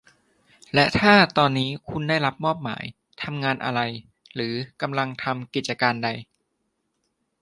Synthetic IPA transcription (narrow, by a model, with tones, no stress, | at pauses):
lɛ˦˥t̪ʰaː˥˩t̪ɔː˧nːiː˦˥kʰu˧ndaː˥˩jɾa˦˥p̚mɔː˥˩p̚ma̰ː˩˦j | t̪ʰa˧mŋaː˧nʔa̰˧ɾa˧j | ɾɯː˩˦ka˧mla˧ŋt̪ʰa˧mki˨˩t̪̚t͡ɕa˧kaː˧nda˧j